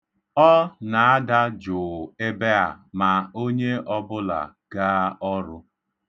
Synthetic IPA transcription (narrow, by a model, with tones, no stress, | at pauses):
ɔ˦na˨a˦da˦d͡ʒʊ˨e˦be˦a̰˨ma˨o˦ɲe˦ʔɔ˦bʊ˦la̰˨ | ɡ̥aː˦ɔ˦ɾʊ˦